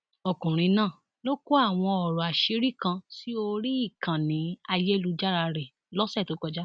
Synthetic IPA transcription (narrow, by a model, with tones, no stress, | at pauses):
ɔ˨kũ˨ɾ̃ĩ˧nãː˦˨ | lo˦ko˦a˦˨w̃ɔ̃˧ɔ˨ɾɔ˨a˨ʃi˨˦ɾi˦˨kã˧ti˦o˧ɾi˦i˦˨kã˨nĩ˨˦a˧je˦lu˦d͡ʒa˦ɾa˧ɾɛ˨ | lɔ˦sɛ˦˨to˨˦kɔ˧d͡ʒa˦